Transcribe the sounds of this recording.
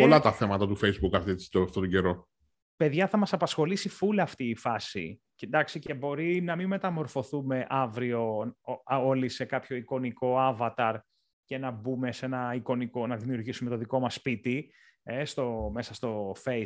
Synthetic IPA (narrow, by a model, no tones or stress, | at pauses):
olɐt̪ɐθe̞mɐt̪ɐt̪ufejzbukɐθit͡si̥t̪oɐft̪ot̪oɟe̞ɾo̞ | pe̞ðʝɐθɐmɐsɐpɐsxo̞lisifulɐːft̪iːfɐsḭ | ced̪ɐksice̞bo̞ɾinɐmime̞t̪ɐmo̞ɾfo̞θume̞ʔɐvɾio̞ | olise̞kɐpço̞iko̞niko̞ɐvɐt̪ɐɾ | ce̞nɐbume̞se̞nɐiko̞niko̞nɐðimiuɾʝisume̞t̪oðiko̞mɐsːpit̪i | est̪o̞me̞sɐst̪o̞fe